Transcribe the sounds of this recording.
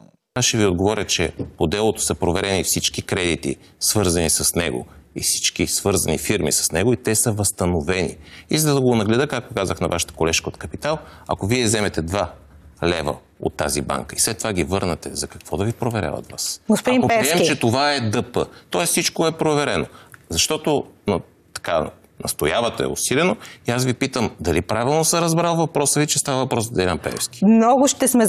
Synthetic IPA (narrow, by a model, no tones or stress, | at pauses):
aʃɛviod̪̚ɡovɔɾʲjət͡ʃɛpod̪ɛlˠot̪o̥sɐpɾovɛɾɛnifsit͡ʃkikɾɛd̪it̪ḭ | svɤɾzɐnisɐsnɛɡo̰ḭfsi̥t͡ʃkisvɤɾzɐnifiɾmḭsə̥snɛɡoit̪ɛsəvɐst̪ɐnovɛnḭizɐd̪ɐɡonɐɡlɛd̪əkak̚t̪okazəxnɐvaʃə̥t̪ə̥kolɛʃkəot̪kɐpit̪alˠɐ̰koviɛzɛmɛt̪ɛd̪va | lɛvə̰ | o̰t̪ːa̰zḭba̰ŋkəislɛt̪ːovaɡʲivɤɾnɐt̪ɛzɐkɐ̥kv̥ɔd̪ɐvipɾovɛɾʲa̰vɐ̰t̪va̰sɡospʊd̪imkopiɛmt͡ʃɛt̪ovaɛd̪ɤpə̰t̪ɔɛssit͡ʃkoɛpɾovɛɾɛnozɐʃt̪ɔt̪onɐ | t̪ɐ̥ka | nɐ̰st̪ojavət̪ɛɛ̰ʊ̰silɛnoiasvipit̪əmd̪ɐlipɾavilˠnosəɾɐzbɾalˠvɐpɾɔsəvit͡ʃɛst̪avəvɐpɾɔsd̪ɛlʲampɛ̰ɛ̰fski̥mnɔɡʊʃt̪ɛsmɛ